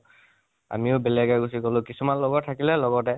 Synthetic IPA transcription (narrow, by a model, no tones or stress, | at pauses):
a̰miʊbelɛɡaɡusikɔlʊ̃kisumanlɔɡɔtʰːakilɛlɔɡɔtɛ